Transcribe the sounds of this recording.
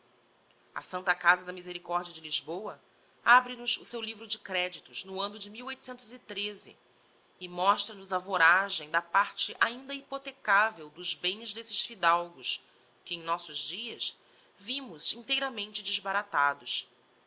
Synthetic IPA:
ɐ̰sɐ̃nt̪ɐkazɐd̪ɐmizeɾikɔɾd͡ʒiɐd͡ʒɪliʒbowɐ | abɾɪnʊzʊsewlivɾʊd͡ʒɪkɾɛd͡ʒit̪ʊznʊɐ̃nʊd͡ʒɪmiwojt̪u̥sẽnt̪ʊzit̪ɾezɪ̰ | ɪmɔʃt̪ɾɐnʊzɐvoɾaʒẽj̃d̪ɐpaɾt͡ʃɪʔaĩnd̪ɐipot̪ekavewd̪ʊzbẽj̃zd̪esɪʃfid̪awɡʊs | kɪẽj̃nɔsʊʒd͡ʒiɐs | vĩmʊzĩnt̪ejɾɐmẽnt͡ʃɪd͡ʒɪʒbaɾat̪ad̪ʊs

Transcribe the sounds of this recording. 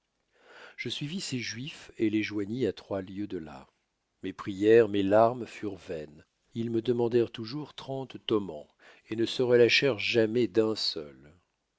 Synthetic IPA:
ʒ̥əsɥiviseʒɥifeleʒwaɲiat̪χwaljød̪əla̰ | mepχijɛʁmelaʁmfyʁvɛn | ilməd̪əmɑ̃d̪ɛʁt̪uʒuʁt̪χɑ̃t̪ːɔmɑ̃ | enəsəʁəlaʃɛʁʒamɛd̪ɛ̃sœ̰l

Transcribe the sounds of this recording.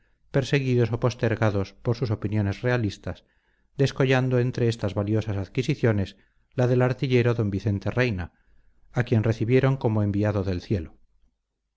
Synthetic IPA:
pe̞ɾse̞ɣ̞iðo̞so̞po̞st̪e̞ɾɣaðo̞spo̞ɾsuso̞pinjo̞ne̞zre̞alist̪as | d̪e̞sko̞ʎand̪o̞e̞nt̪ɾe̞est̪azβaljo̞sasaðkisiθjo̞nes | laðe̞laɾt̪iʎe̞ɾo̞ðo̞mbiθe̞nt̪e̞re̞jna | akje̞nre̞θiβje̞ɾo̞ŋko̞mo̞embiaðo̞ðe̞lθje̞lo

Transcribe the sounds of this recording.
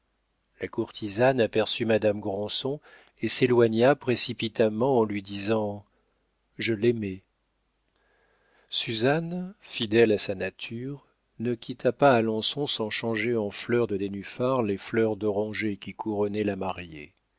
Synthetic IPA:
lakuʁt̪ʰizanapɛʁsymad̪amɡʁɑ̃sɔ̃ | eselwaɲapχesipit̪amɑ̃ɑ̃lɥid̪izɑ̃ | ʒəlɛmɛ | syzanfid̪ɛlasanat̪ʰyʁ | nəkʲʰit̪ʰapaːlɑ̃sɔ̃sɑ̃ʃɑ̃ʒeɑ̃flœʁd̪əd̪enyfaʁleflœʁd̪ɔʁɑ̃ʒekʲikuʁɔnɛlamaʁjḛ

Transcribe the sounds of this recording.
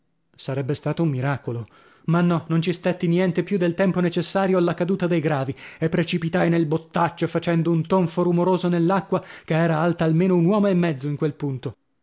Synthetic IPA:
saɾɛbːest̪aːt̪oumːiɾaːkolo | manːɔnont͡ʃist̪et̪ːinjɛnt̪epjud̪ːelt̪ɛmponet͡ʃesːaːɾjoalːakad̪uːt̪ad̪ejɡɾaːviepːɾet͡ʃipit̪ajnelbot̪ːat͡ʃːofat͡ʃɛnd̪ount̪oɱfoɾumoɾoːzonelːakːwakeɛːɾaalt̪aːlmeːnounwɔːmoemːɛd̪zːoiŋkwelpunt̪o

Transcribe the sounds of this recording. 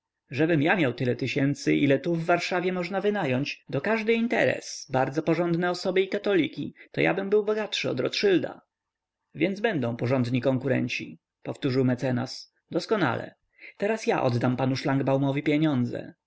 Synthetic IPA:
ʐɛbɘmjamʲjawt̪ɘlɛt̪ɘɕɛnt̪sɘʔilɛt̪uvːaɾʂavʲjɛmɔʐnavɘnajɔɲt͡ɕd̪ɔkaʐd̪ɘint̪ɛ̰ɾɛ̰sbaɾd̪zɔpɔʐɔnd̪nɛɔsɔbɘikat̪ɔlʲikʲit̪ɔja̰bɘmbɘwbɔɡat̪ʂɘɔ̰d̪ɾɔt̪ʂɘld̪a̰ | vʲjɛnd̪zbɛnd̪ɔ̃w̃pɔʐɔnd̪ɲikɔŋkuɾɛ̰ɲt͡ɕi | pɔft̪uʐɘwmɛt̪sɛna̰s | d̪ɔskɔna̰lɛ̰ | t̪ɛɾasjaʔɔ̰d̪d̪ampanuʂlaŋɡbawmɔvʲipʲjɛɲɔnd̪zɛ̰

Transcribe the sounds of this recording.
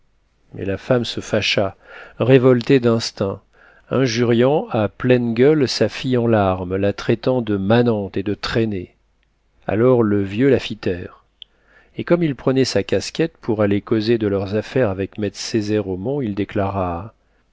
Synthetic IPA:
mʔɛ̰lafamsəfaʃaʁevɔlt̪ed̪ɛ̃st̪ɛ̃ | ɛ̃ʒyʁjɑ̃aplɛnɡʲœlsafijɑ̃laʁmlat̪χɛt̪ɑ̃d̪əmanɑ̃t̪ed̪ət̪χene | a̰lɔʁləvjølafit̪ɛːʁ | ekɔmilpχənɛsakʲaskʲɛt̪̚pʰuʁalekozed̪əlœʁzafɛʁavɛkmɛt̪sezɛʁomɔ̃ild̪eklaʁa

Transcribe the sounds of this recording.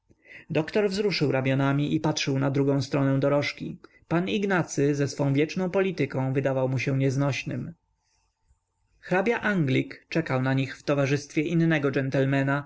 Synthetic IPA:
d̪ɔkt̪ɔɾvzɾuʂɘwɾamʲjɔnamʲiʔipat̪ʂɘwnad̪ɾuɡɔ̃w̃st̪ɾɔnɛ̃w̃d̪ɔɾɔʂkʲi | paniɡnat̪sɘzɛsfɔ̃w̃vjɛt͡ʂnɔ̃w̃pɔlʲit̪ɘkɔ̃w̃vɘd̪avawmuɕɛ̃ɲɛznɔɕnɘm | xɾabʲjaʔaŋɡlʲikt͡ʂɛkawnaɲixft̪ɔvaʐɘst̪fʲjɛʔinːɛɡɔd͡ʐɛnt̪ɛlmɛna

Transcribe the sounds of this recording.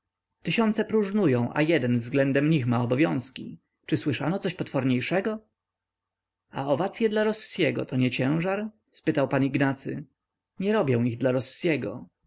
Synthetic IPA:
t̪ɘɕɔnt̪sɛpɾuʐnujɔ̃w̃ʔa̰jɛd̪ɛnvzɡlɛnd̪ɛmɲixmaɔbɔvʲjɔ̃w̃skʲḭ | t͡ʂɘswɘʂanɔt̪sɔɕpɔt̪fɔɾɲejʂɛɡɔ | a̰ɔvat̪sʲjɛd̪laɾɔsːjɛɡɔ̰t̪ɔɲɛt͡ɕɛ̃w̃ʐaɾ | spɘt̪awpaniɡnat̪sɘ̰ | ɲɛɾɔbʲjɛ̃w̃iɣd̪laɾɔsːjɛɡɔ̰

